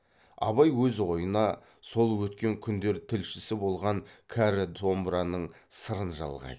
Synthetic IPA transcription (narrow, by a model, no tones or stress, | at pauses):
ɑ̰βɑjwɵzʁo̞jənɑ | so̞lˠwɵt̪kʲe̞ŋkʲʰʏnd̪e̞ɾt̪ʰɪlʃɪsɪbo̞lˠʁɑŋkʲʰæɾɪd̪ʰo̞mbɾɑnəɴ | səɾənʒɑ̰lˠʁɑ̰jd̪ə